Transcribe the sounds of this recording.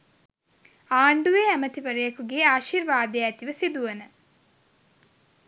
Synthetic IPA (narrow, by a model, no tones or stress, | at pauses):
aːɳɖuʋeːæmət̪iʋəɾəjəkuɡeːaːʃirʋaːd̪ejæt̪iʋəsid̪uʋənə